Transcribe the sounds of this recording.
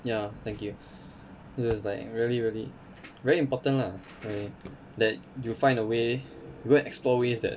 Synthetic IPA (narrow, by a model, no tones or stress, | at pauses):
jat̪ɛ̃ŋkju | ɪswɔslaɪk̚ɹiəliɹiəli | vɛɹiĩmpɔtə̃nla | ɹili | dɛt̚jufãɪ̃ndəwejuɡoɛ̃nɛksplɔwesdɛ̰t̚